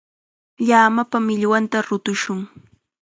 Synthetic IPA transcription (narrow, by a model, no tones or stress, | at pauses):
ʎaːmapamɪʎwant̪aɾʊt̪ʊʃʊŋ